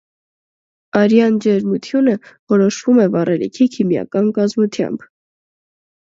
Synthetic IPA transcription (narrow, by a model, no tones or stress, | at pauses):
ɑɾjɑnd͡ʒɛɾmut̪ʰjunəvɔɾɔʃvumɛvɑrɛlḭkʰikʰimjɑ̰kɑnkɑzmut̪ʰjɑ̰mb̥